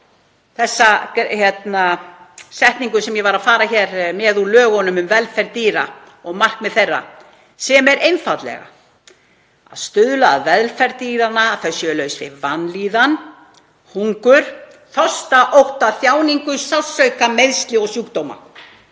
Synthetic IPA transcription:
θɛsːaçjɛt̪nasɛht̪niŋkʏsɛmjɛvaɾaðfaːɾaçɛɾmɛðulœːɣɔnʏmʏmvɛðlfɛɾt̪iːɾa̰ | ɔɣmar̥kmɛðθejrːa̰ | sɛmɛɾʔejnfat̪lɛ̰ɣa̰ | a̰ðst̪ʏðlaːðvɛðlfɛɾt̪iːɾanaːθœsːʏlœɥsvɪ̰vanliːðan | huŋkʏɾ̥ | θɔst̪aʔowht̪aθjaːwniŋkʏsawsœɥkameðst̪lɪɔɣsjuːkt̪owma̰

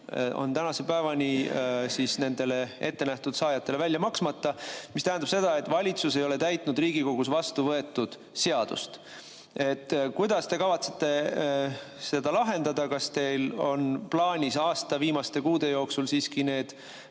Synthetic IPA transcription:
o̞̰nt̪ænɑse̞pæevɑnʲisiːsne̞nd̪e̞le̞e̞t̪ːe̞næht̪ud̪̥sɑːjɑt̪ːˑe̞le̞vælʲjɑmɑksmɑt̪ːˑɑmist̪æɦænd̪ɑb̥se̞d̪̥ɑe̞t̪ːˑvɑlʲit̪suse̞jo̞let̪æjt̪ˑnud̪riːɡiko̞ɡ̥usvɑst̪uvɤe̞t̪ːud̪̥ | seɑd̪̥ṵst̪ | e̞t̪ːkujd̪̥ɑst̪e̞kɑvɑt̪se̞̥t̪ːˑe̞ | se̞d̪̥ɑlɑɦe̞nd̪ɑd̪ɑkɑst̪e̞jlo̞nplɑːnʲisɑːst̪ɑviːmɑst̪e̞kuːd̪̥e̞jo̞ːksulsiːskine̞ːd̪̥

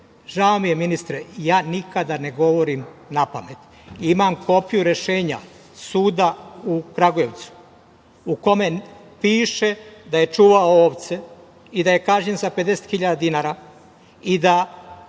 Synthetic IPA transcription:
ʒaomijeminist̪ɾejaːnikad̪ane̞ɡo̞ʋo̞ɾimnapa̰met̪ | imamko̞pijuɾe̞ʃe̞ːɲa̰ | suːd̪aukɾaɡoje̞ʋt̪su̥ | uko̞me̞ | piːʃe̞d̪aje̞t͡ʃuːʋaooːʋt̪se | id̪aje̞kaʒɲenzape̞d̪e̞set̪xiʎad̪ad̪inaːɾa | id̪a

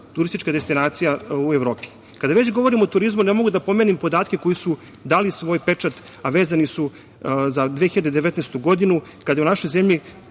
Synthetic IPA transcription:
t̪uɾist̪it͡ʃkad̪est̪inaːt̪sijaueʋɾo̞ːpi̥ | kad̪aʋe̞t͡ɕɡo̞ʋo̞ɾimo̞t̪uɾizmunemo̞ɡud̪apo̞menimpo̞d̪aːt̪ke̞ko̞jisu | d̪aːlisʋo̞ːjpe̞t͡ʂat̪ | aʋeːzanisu | zad̪ʋeːxiʎad̪ed̪eʋet̪neːst̪uɡo̞d̪inukad̪ajunaʃo̞jzemʎi

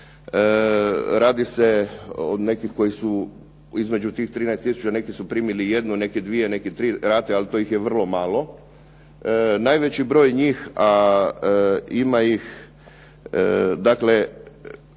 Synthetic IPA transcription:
əɾaːd̪ise̞o̰d̪ne̞kixko̞jisu | izme̞d͡ʑut̪iːxt̪ɾiːnajst̪isut͡ʃane̞kisupɾiːmilije̞d̪nune̞kid̪ʋijene̞kit̪ɾiːɾaːt̪ealit̪ojixjeʋr̩lˠo̞maːlˠo̞ | najʋet͡ɕibɾo̞ːjɲiːxa | imajix | d̪akle̞

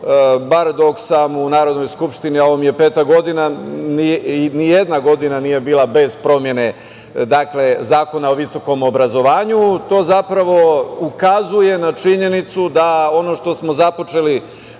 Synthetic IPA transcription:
baɾd̪o̞ksamunaːɾo̞d̪no̞jskupʃt̪inioʋomje̞pe̞ːt̪aɡo̞d̪inaninijed̪naɡo̞d̪inaniːje̞biːlˠabe̞zpɾo̞mje̞ne̞ | d̪akle̞zaːko̞nao̞ʋiso̞ko̞mo̞bɾazo̞ʋaːɲut̪o̞ːzapɾaʋo̞ukazuje̞nat͡ʃiɲe̞nit̪sud̪ao̞no̞ʃt̪o̞smo̞zapo̞t͡ʃe̞li

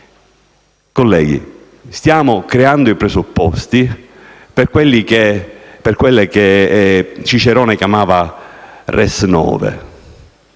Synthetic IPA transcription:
kolːɛ̰ːɡ̟ḭ | st̪jaːmʊkɾeand̪ʊipɾesupːɔst̪i | perkwelːikeperkwelːeke | t͡ʃit͡ʃeɾɔːnekjamaːva | rʔɛsnɔ̰ːvḛ

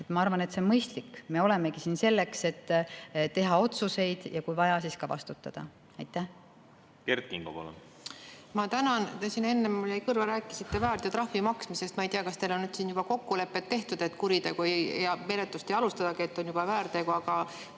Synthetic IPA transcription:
et̪mɑɑrvɑne̞t̪se̞onmɤjst̪likːme̞o̞le̞me̞ɡ̥isiːnse̞lːe̞kse̞t̪ːt̪ːe̞ɦɑo̞t̪suse̞jd̪̥jɑkujvɑjɑsiskɑvɑ̰st̪ut̪ːˑɑ̰d̪̥ɑ̰ | ɑjt̪ˑːæh | kert̪kiŋɡ̥o̰pɑ̰lṵn | mɑt̪ænɑnt̪esine̞nːemːulejkɤrvɑɾæːkːˑi̥sit̪ːe̞væːɾt̪ɑt̪ɾɑhvimɑksmise̞st̪mɑejt̪iɑkɑst̪elo̞nnyd̪siːnjub̥ɑko̞kːule̞pːet̪ːe̞ht̪ud̪̥e̞t̪ːkuɾit̪e̞ɡ̥ujɑme̞ɾet̪ːˑust̪e̞jɑlust̪ɑd̪ɑɡiet̪ːo̞njub̥ɑvæːɾt̪eɡ̥uɑɡ̥ɑ

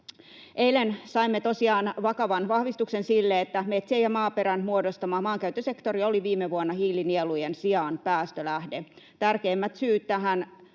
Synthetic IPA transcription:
ʔeilensɑimːet̪o̞siɑːnʋɑkɑʋɑnʋɑhʋist̪uksensilːeet̪ːæmet̪siejɑmɑːpeɾænmuodost̪ɑmɑːmɑːŋkæyt̪ːøsekt̪orioliʋiːmːeʋuonːɑhiːlinielujensiɑnpæːst̪ølæhde | t̪ærkeːmːæt̪syːt̪t̪æɦæn

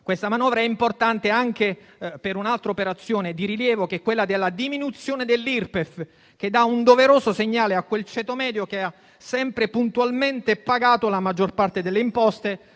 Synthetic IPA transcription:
kwest̪amanɔːvɾaɛimport̪ant̪eaŋk̟e | peɾunalt̪ɾaopeɾat̪sːjoːned̪iɾiljɛːvokɛkːwelːad̪elːad̪iminut̪sjoːned̪elːirpef | k̟ed̪ːaund̪oveɾoːsoseɲːaːleakːwelt͡ʃɛːt̪omɛːd̪jokea | sɛmpɾepunt̪ualment̪epaɡaːt̪olamad͡ʒːorpart̪ed̪elːeimpɔst̪e

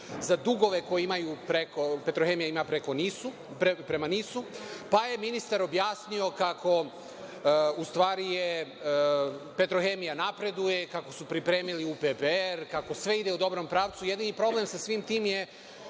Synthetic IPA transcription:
zad̪uɡo̞ʋe̞ko̞jeimajupɾekope̞t̪ɾoxe̞mijaimapɾe̞ko̞nisu | pepɾe̞maniːsupaje̞minist̪aɾo̞bjaːsnio̞kakʰo̞ | ust̪ʋaːɾije | pe̞t̪ɾoxe̞ːmijanapɾe̞d̪uje̞kako̞supɾipɾe̞ːmiliupepeeɾkako̞sʋe̞id̪e̞ud̪o̞bɾo̞mpɾaːʋt̪suje̞d̪inipɾo̞ble̞msasʋimt̪iːmje̞

